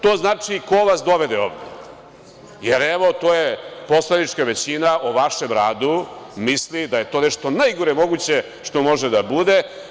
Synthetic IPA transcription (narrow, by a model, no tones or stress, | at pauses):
t̪o̞ːznaːt͡ʂiko̞ʋasd̪o̞ʋe̞d̪eo̰ːʋd̪ḛ | jeɾeʋo̞t̪oːjepo̞slˠanit͡ʂkaʋe̞t͡ɕinaʔoʋaʃe̞mɾaːd̪umislid̪aje̞t̪o̞ːneʂt̪o̞najɡuɾemo̞ɡut͡ɕe̞ | ʂt̪o̞mo̞ʒed̪abud̪e̞